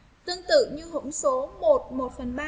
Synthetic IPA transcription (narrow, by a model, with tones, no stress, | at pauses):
t̪ɨ˧əŋt̪ɨ̰˧˨ɲɨ˧ɦʊ̰˧˥ŋ͡mso˨˦mo˨˩t̚mo˨˩t̚fə˨˩nɓaː˧